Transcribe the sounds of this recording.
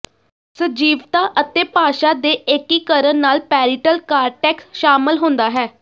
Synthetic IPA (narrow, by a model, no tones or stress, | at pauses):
səd͡ʒiːʋt̪aːʔət̪eːpaːʃaːd̪eːeːkiːkəɾənnaːlpɛːɾiʈəlkaːɾʈɛːksʃaːmɪlɦõːnd̪aːɦɛː